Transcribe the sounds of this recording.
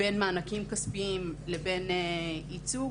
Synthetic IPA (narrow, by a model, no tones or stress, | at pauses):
enmaːnakimkaspiimlebenit͡su